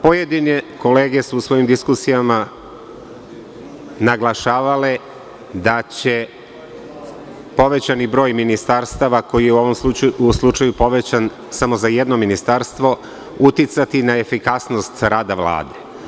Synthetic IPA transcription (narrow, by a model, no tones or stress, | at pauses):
pojed̪ineko̞le̞ːɡe̞suːsʋo̞jimd̪iskusijama | naɡlˠaʃaːʋale | d̪at͡ɕe̞ | po̞ʋe̞t͡ɕanibɾo̞ːjminist̪aɾst̪aʋako̞jijeuo̞ʋo̞msuuslˠut͡ʃajupo̞ʋet͡ɕan | samo̞zajed̪no̞minist̪aɾst̪ʋo̞ | ut̪jit̪sat̪inae̞fikasno̞st̪ɾaːd̪aʋla̰ːd̪e